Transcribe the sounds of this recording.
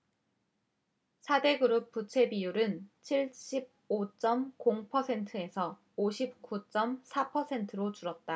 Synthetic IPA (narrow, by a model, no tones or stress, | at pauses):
sʰade̞ɡɯɾɯp̚p͈ut͡ɕʰe̞bijuɾɯnt͡ɕʰiɭɕ͈ʰib̚ot͡ɕ͈ʌmkoŋpʰʌsʰe̞ntʰɯe̞sʰʌ | oɕʰip̚k͈ut͡ɕ͈ʌmsʰapʰʌsʰe̞ntʰɯɾot͡ɕuɾʌt̚t͈a